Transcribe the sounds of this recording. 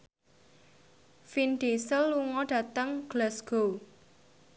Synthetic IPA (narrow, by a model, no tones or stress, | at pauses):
finɖesəlːuŋɔɖ̥ä̤t̪əŋɡ̥lasɡ̥o